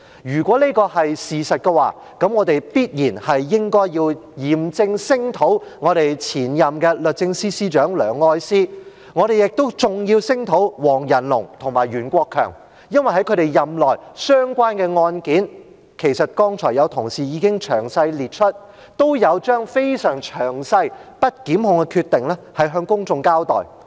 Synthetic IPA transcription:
jyː˨˩kʷɔː˨˥liː˥kɔː˧hɐ˨jsiː˨sɐ˨t̚kɛ˧waː˨˩ | kɐ˨˥mŋɔː˨˧t̪e˨jpiː˥t̚jiː˨˩nhɐ˨jːɪ˥ŋkɔː˥jjiː˧wjiː˨˩mt͡sɪ˧ŋsɪ˥ŋt̪ʰo˨˥wŋɔː˨˧ɾe˨jt͡sʰiː˨˩njɐ˨mkɛː˧lɵ˨t̚t͡sɪ˧ŋsiː˥siː˥t͡ʃœː˨˥ŋlœː˨ŋːɔː˧jsiː˥ | ŋɔː˨˧ɾe˨jɪ˨k̚t̪o˥wt͡sʊ˨˩ŋjiː˧wsɪ˥ŋt̪ʰo˨˥wwɔː˨˩ŋjɐ˨˩nlʊ̰˨˩ŋt̪ʰʊ˨˩ŋmaː˨˩jɥyː˨˩nkʷɔː˧kʰːœ̰ː˨˩ŋ | jɐ˥nwɐ˨jɦɐ˨˥jkʰɵ˨˧˥ɾe˨jjɐ˨mlɔː˨˩jsœː˥ŋkʷaː˥nkɛː˧ŋɔː˧nkiː˨˥n | kʰe˨˩jsɐ˨t̚kɔː˥ŋt͡ʃʰɔː˨˩jɐ˨˧wt̪ʰʊ˨˩ŋsiː˨˩jiː˨˧kɪ˥ŋt͡ʃʰœː˨˩ŋsɐ˧jliː˨t̚t͡ʃʰɵ˥t̚ | t̪o˥wjɐ˨˧wt͡ʃœː˥ŋfe˥jsœː˨˩ŋt͡ʃʰœː˨˩ŋsɐ˧jpɐ˥t̚kiː˨˥mhʊ˧ŋkɛ˧kʰyː˧t̪ːɪ˨ŋlɛː˥hɐ˨jɦœː˧ŋkʊ˥ŋt͡sʊ˧ŋkaː˥wt̪ɔ̰ː˨j

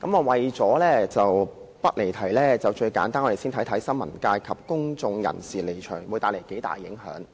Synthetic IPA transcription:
kɐ˨˥mɔː˧wɐ˨jt͡sɔː˨˥lɛː˥t͡sɐ˨wpɐ˥t̚le˨˩jt̪ʰɐ˨˩jlɛː˥˩t͡sɐ˨wt͡ʃɵ˧ɥkaː˨˥nt̪aː˥nŋɔ˨˧e˨˩siː˥nt̪ʰjt̪ʰɐ˨˥jsɐ˥nmɐ˨˩nkaː˧jkʰɐ˨p̚kʊ˥ŋt͡sʊ˧ŋjɐ̰˨˩nsiː˨le˨˩jt͡ʃʰœː˨˩ŋwuː˨˧jt̪aː˧˥le˨˩jke˨˥jt̪a̰ː˨˩jːɪ˨˥ŋhœ̰ː˨˥ŋ

